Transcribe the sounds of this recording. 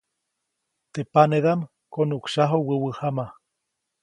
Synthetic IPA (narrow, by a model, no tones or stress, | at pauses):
t̪epaneðam | konukʃaɦowəwəhama